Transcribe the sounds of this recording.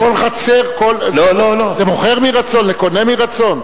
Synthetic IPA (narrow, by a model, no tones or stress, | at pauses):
ko̞lχat͡se̞ʁkollololozemoχe̞ʁmiʁat͡so̞nleko̞nemiʁat͡so̞n